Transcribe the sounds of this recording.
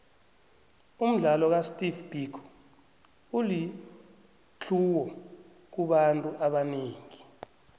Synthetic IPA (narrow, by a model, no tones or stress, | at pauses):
um̩ɮalɔk̬astʼiθb̥ʱikʰ | uli | t͡ɬʰuwɔ | k̬uɓantʼuʔaɓaneːŋi